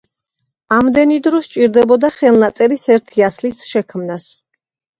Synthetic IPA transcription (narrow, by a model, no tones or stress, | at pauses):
amd̪ɛnid̪ɾɔst͡ʃʼiɾd̪ɛbɔd̪aχɛlˠnat̪sʼɛɾisɛɾt̪ʰiaslisʃɛkʰmnas